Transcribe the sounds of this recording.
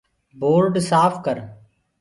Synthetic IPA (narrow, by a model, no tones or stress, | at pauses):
boːɾɖsaːpʰkəɾ